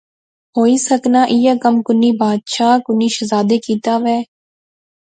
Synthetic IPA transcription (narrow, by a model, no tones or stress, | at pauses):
ɦoːiːsəknaːʔɪjaːkəmkʊnːiːbaːd̪ʃaːkʊnːiːʃəzaːd̪eːkiːt̪aːʋɛː